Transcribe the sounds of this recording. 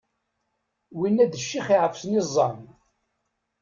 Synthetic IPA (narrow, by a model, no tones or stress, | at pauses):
winːæd̪əʃːiχiʕəfsnizˤːɑn